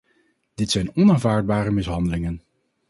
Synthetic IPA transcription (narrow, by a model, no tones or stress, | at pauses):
d̥ɪtsɛjnɔnaːnvaːɹd̚baːɾəmɪsɦɑndəlɪŋən